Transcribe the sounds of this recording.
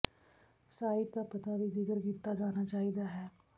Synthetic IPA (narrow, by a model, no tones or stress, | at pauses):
saːɪp̚d̪aːpət̪aːʋiːd̪ɪkəɾkiːt̪ːaːd͡ʒaːnaːt͡ʃaːiːd̪aːɦɛː